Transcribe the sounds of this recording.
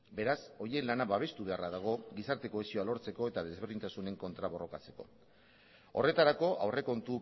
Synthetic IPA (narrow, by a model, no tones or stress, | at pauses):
be̞ɾaso̞ie̞nlanaβaβ̞e̞st̪uβe̞araðaɣ̞o̞ɡisaɾt̪e̞ko̞esio̞alo̞ɾt͡se̞ko̞e̞t̪að̞e̞zβ̞eɾðint̪asune̞ŋko̞nt̪ɾaβo̞ro̞kat͡se̞̥ko̞̰ | o̞̰re̞t̪aɾako̞ʔawre̞ko̞nt̪u